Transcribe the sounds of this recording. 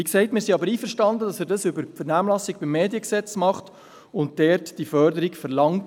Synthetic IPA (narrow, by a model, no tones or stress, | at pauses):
iksɛɪtmɪːɾsiɑbəɾiːfəɾʃtɑndədɑsɛːɾdɑsʏbəɾfəɾnæːmlɑsɪɡ̚b̥ɪmːeːdjəksɛt͡smɑχt | ʊnt̚dɛɾtd̥ifœɾdəɾikfəɾlɑŋt